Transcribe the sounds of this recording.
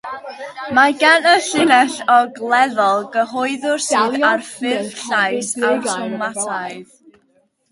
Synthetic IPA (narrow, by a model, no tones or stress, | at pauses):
maɡanəɬɪnɛɬɔɡlˠɛðɔlˠɡəɦɔɨðʊrsiːarfɪrɬajsaʊŋmatʰaɨð